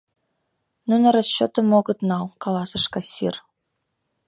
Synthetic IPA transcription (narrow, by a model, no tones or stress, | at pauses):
nunə̆ɾost͡ɕːot̪əmoɣə̆t̪nɑwkɑlɑsɤ̆ʃkɑsʲḭr